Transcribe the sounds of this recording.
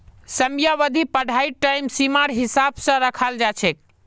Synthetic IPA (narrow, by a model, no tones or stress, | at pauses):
səmjaʋəd̪ʱipəɽ̤ʱaiʈaimsimaɾɦisabsə̃ɾəkʰald͡ʒat͡ʃʰɛk̚